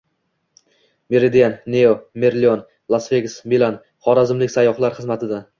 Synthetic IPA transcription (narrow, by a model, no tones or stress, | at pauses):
meɾed̪ijanneomeɾlʲion | lˠasveɡʲɪsmilan | χɒɾazɪmlɪkʲsajɒχlˠaɾχɨzmat̪ʰɪd̪a